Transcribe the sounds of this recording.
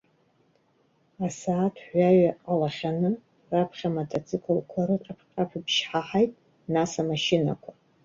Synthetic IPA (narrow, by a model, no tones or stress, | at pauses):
asaːtʰħʷᶣaɥaalaχʲanɨ | rapʰχʲamotʰat͡sʼʰɨkʰolkʷʰaɾɨʈ͡ʂʼapʰqʼapʰabʃħaħajtʼ | nasamaʃina̰kʷʰa